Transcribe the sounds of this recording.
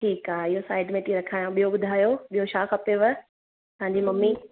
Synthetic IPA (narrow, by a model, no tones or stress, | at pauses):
ʈʰiːkaːɪɦosaːɪɖmẽːʈiɾɐkʰaːjõɓijoɓʊd̪ʱaːjoɓijoʃaːkɐpeʋə | t̪ɐɦãɲd͡ʑimɐmːi